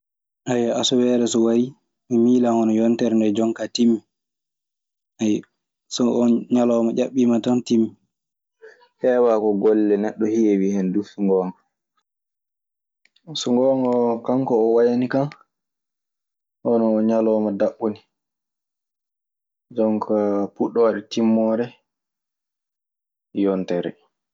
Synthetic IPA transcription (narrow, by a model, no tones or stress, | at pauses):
ʔajaasɔwɛːɾɛsɔwai | mɛmiːlaŋɔnɔjɔntɛɾndɛd͡ʒɔŋkatimːi | ʔaj | sɔʔɲalɔmad͡ʒʲaɓːimatɔntimːi | hɛːwakɔɡɔlːɛnɛɗːɔhijewihɛndusuŋɡɔːŋɔ | sɔŋɡɔŋɔkaŋkɔːwajanikan | ʔɔnɔːɲalɔːmadaɓːuni | d͡ʒɔmkʰapuɗːɔwaɗɛtimːɔɾɛ | jɔntɛɾɛ̰